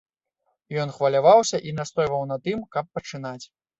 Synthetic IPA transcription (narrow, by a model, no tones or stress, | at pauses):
jɔn̪xvɐlʲavawsʲɐʔinast̪ɔjvɐwnɐt̪ɨmkɐpːɐt͡ʂɨnat͡sʲ